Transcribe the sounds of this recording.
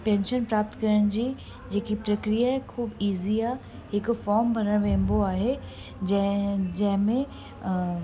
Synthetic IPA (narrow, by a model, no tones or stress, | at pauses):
pɛ̃ːnʃənpɾaːp̚t̪kɐɾəɽ̃d͡ʑiː | d͡ʑeːkipɾɐkɾijaɦɛkʰuːbiːziaːɦ | hɪkʊfɔːɾmbʱɐɾəɽ̃ʋẽːmboaːɦe | d͡ʑɐd͡ʑɐ̃ɦɪ̃mẽ